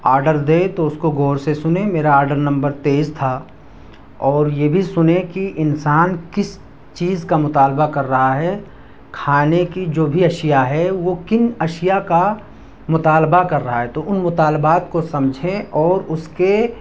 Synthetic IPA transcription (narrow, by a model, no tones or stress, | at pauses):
aːɾɖəɾd̪eːt̪oʊskoɡʱoːɾsesʊnemeːɾaaːɾɖəɾnɐ̃mbəɾt̪eːzt̪ʰa | ɔːɾjebʱisʊnekiʔɪnsaːnkɪs | t͡ʃiːzkamʊt̪aːlbakɐɾːɐɦaɦɛ | kʰaːnekid͡ʒoːbʱiɐʃɪjaɦɛʋokɪnɐʃɪjaka | mʊt̪aːlbakɐɾːɐɦaɦɛt̪oʔʊnmʊt̪aːlbaːt̪kosɐ̃md͡ʒʱẽɔːɾʊske